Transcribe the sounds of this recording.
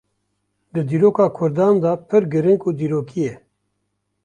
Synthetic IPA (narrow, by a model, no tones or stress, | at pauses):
d̪ɨd̪iːɾoːkaːkʰʊɾd̪aːnd̪ɑpʰɨɾɡɨɾɪŋkuːd̪iːɾoːkʰijɛ